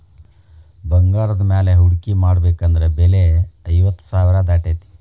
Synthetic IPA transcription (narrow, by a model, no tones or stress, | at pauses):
bɐŋɡaːɾɐd̪maːleɦuɽkimaːɽbeːkɐnd̪ɐɾebeleɐjʋɐt̪ːsaːʋiɾad̪aːʈeːt̪i̥